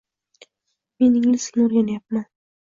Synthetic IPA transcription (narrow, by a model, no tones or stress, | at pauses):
menɪŋlɪsɪ̥noɾɡʲanajap̚man